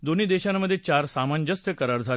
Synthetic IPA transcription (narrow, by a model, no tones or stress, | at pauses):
d̪on̤iːd̪eɕanmːəd̪ʱːjet͡ɕaɾsamand͡ʑəst̪jəkəɾaɾd͡zʱa